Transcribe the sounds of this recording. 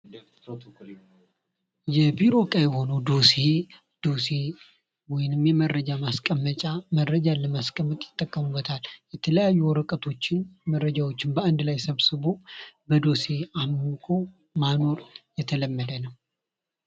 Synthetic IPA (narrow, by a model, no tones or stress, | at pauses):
jɛbiɾo̞kʼajɛho̞nəd̪o̞se | d̪̥o̞se | wɔjɪnɨmjɛməɾːəd͡ʒamaskʼəmːət͡ʃʼaməɾːəd͡ʒaləmaskʼəmːət̪ʼjɪt̪ʼːəkʼːəmubːət̪ʰaljɛt̪ʰələjajːuwɔɾəkʼət̪ʰo̞t͡ʃːɪnmərːəd͡ʒawo̞t͡ʃːɪnbəand̪lajsəβsɨβo̞bəd̪o̞se̞amːukʰo̞ | mano̞ɾjɛt̪ʰələmːəd̪ənəw